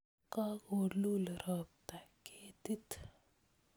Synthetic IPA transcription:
kaɡoːɾlulɐɾaːb̚t̪akeːt̪it̪

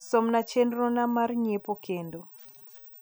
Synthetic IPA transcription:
somnat͡ʃenɾɔnamarɲepokʰendo

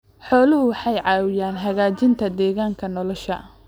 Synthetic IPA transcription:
ħɔːlʊhʊwɑħɑjʕɑːwɪjaːnɦɐɣaːt͡ʃɪnt̪ʰɐd̪ɛːɣaːŋkʰɐnɔlɔʃɐ

